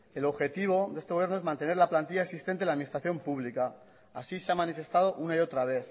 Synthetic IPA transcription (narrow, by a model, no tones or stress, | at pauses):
e̞lo̞βxe̞t̪iβo̞d̪ee̞st̪eje̞ɾnoezmãnt̪e̞ne̞ɾlaplant̪iʎaesist̪e̞nt̪elaðminist̪ɾaθjo̞mpuβlika | asiseamanife̞st̪að̞o̞ʔunaio̞t̪ɾaβe̞θ